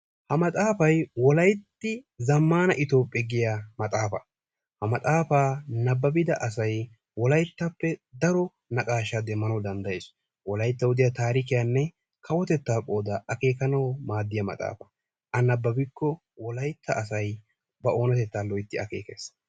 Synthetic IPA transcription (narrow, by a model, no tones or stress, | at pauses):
hɐmɐt̪ʼaːfɐjwɔlɐjt̪ːɪzɐmːaːnɐʔɪt̪o̞ːpʼːɛɡɪjamɐt̪ʼaːfɐ̰ | hɐmɐt̪ʼaːfaːnɐbːɐbɪd̪ɐʔɐs̬ɐj | wɔlɐjt̪ːɐpːɛd̪ɐɾɔ | nɐkʼaːʃad̪ɛmːɐnɐwd̪ɐnd̪ɐjeːs | wɔlɐjt̪ːɐwʊd̪ɪjat̪aːɾɪkɪjanːɛ | kʰɐwɔt̪ɛt̪ːaːkʼo̞ːd̪aɐke̞ːkɐnɐwmaːd̪ːɪjɐmɐ̰t̪ʼa̰ːfɐ | ʔɐnɐbːɐbɪkːɔ | wɔlɐjt̪ʰːɐːs̬ɐj | bɐʔo̞ːnɐt̪ɛt̪ːaːlɔjɪt̪ːɪɐ̰ke̞̰ːke̞̰ːs